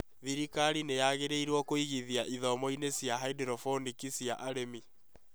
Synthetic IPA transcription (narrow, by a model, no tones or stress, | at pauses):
ðiɾikaɾinejaɣeɾeiɾwɔkoiɣiðiaʔiðɔmɔinesijaɦaidɛɾɔfɔnikisjaʔaɾemi